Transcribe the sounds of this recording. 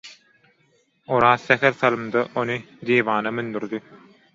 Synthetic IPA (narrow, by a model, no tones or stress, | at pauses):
oɾɑːθːæxeɾθɑlˠɯmd̪ɑʔonɯ | d̪iːβɑːnɑmynd̪yɾd̪i